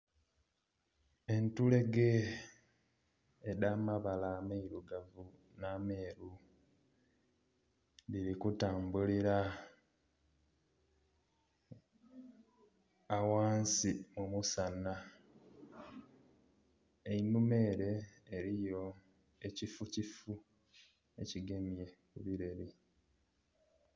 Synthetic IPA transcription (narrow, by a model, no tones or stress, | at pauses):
e̞ntule̞ɡe | damaβalameiɾuɡavu | naːme̞ːɾu | βiɾikutaːmbuliɾa | waːnsimumusana | einume̞ːɾe̞ːɾijo̞ | e̞cifucifu | e̞ciɡe̞mje̞kuβiɾe̞ɾi